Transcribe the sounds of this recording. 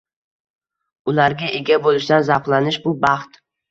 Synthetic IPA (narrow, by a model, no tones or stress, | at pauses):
ʊlaɾɡʲaʔe̞ɡʲabolɪʃd̪anzaqlˠanɪʃbʊbɑχt̪